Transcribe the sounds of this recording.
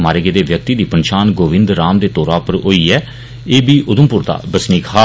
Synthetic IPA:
maːɾeːɡeːd̪eːʋjək̚t̪iːd̪iːpənʃaːnɡoːʋɪ̃nd̪ɾːaːmd̪eːt̪oːɾaːpəɾɦoːiːɛː | eːbiːʔʊd̪əmpʊɾd̪a̰ːbəsniːkʰaː

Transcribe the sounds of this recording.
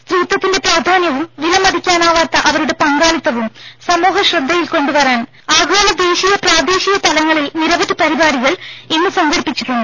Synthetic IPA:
st̪riːt̪ːɐt̪ːinde̞praːd̪ʱaːnjɐʋumʋilɐmɐd̪ʱikʲːaːnaːʋaːt̪ːɐʔɐʋɐɾuɽe̞pɐŋɡaːlit̪ːɐʋumsɐmoːɦɐɕrɐd̪ʱːɐjilko̞ɳɖuʋɐraːn | aːɡʱoːnɐd̪e̞ːɕijɐpraːd̪eːɕijɐt̪ɐlɐŋːɐɭilniɾɐʋɐɾɨpɐɾibaːɾiɣɐɭenːɨsɐŋɡɐɾipːit͡ɕːiɾuɳːɨ

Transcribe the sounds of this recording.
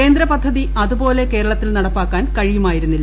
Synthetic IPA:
e̞ːnd̪ɾɐpɐd̪ʱːɐðiɐðubo̞ːle̞ke̞ːɾɐɭɐt̪ːilnɐɽɐpːaːkːaːnkɐɻijumaːjiɾunːilː

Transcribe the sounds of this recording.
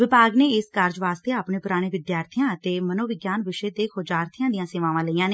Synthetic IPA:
ʋɪpaːɡneːɪskəɾd͡ʒʋaːst̪eːaːpɳẽːpʊɾaːɽ̃eːʋɪd̪jaːɾt̪ʰijãːət̪eːmənõːʋɪɡjaːnʋɪʃeːt̪eːkʰoːd͡ʒaːɾt̪ʰijãːd̪ijãːseːʋãːʋãːləiːãːneː

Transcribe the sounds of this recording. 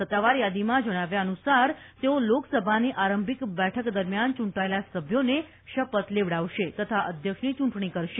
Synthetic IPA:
sət̪ːaʋaɾjad̪imãd͡ʒəɽ̃aʋjaənusaɾ | t̪eoloksəbʱaniʔaɾəmbʱikbɛʈʰəkd̪əɾmjant͡ʃũɳʈaelasəbʱjone | ʃəpət̪leʋɽaʋʃet̪ət̪ʰaʔəd̪ʱjəkʂnit͡ʃũɳʈɳ̃ikəɾʃe

